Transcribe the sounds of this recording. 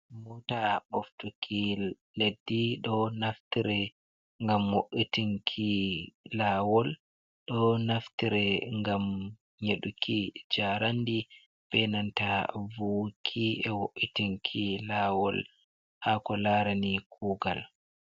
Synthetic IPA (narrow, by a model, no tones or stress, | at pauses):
mutaɓoftukʰi | ledːiɗɔnaftiɾɛ | ŋɡamwoʔːitiŋkʰilawɔl | ɗɔnaftiɾɛŋɡam | ɲeɗukʰid͡ʒaɾandi | b̥ɛnantavukʰiɛwoʔːitiŋkʰilawɔ̰l | hakɔlaɾanikʰuːɡa̰l